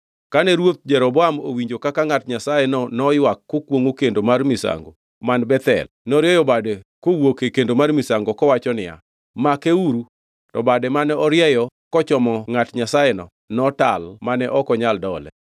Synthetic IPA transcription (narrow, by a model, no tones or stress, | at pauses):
kanɛɾwot̪̚d͡ʒɛɾɔbɔamo̰wiɲd͡ʒokakaŋatɲasajɛnɔnɔjwakːokwoŋokendomarmisa̰ŋɡo | manbɛt̪ɛ̰l | nɔɾjɛjɔbadɛkowokekendomarmɪsaŋɡokɔwat͡ʃɔnɪja̰ | makeuɾu | tɔbadɛmanɛɔɾjɛjɔkɔt͡ʃɔmɔŋatɲasajɛnɔ̰ | nɔtalmanɛʔɔkɔɲaldɔlɛ̰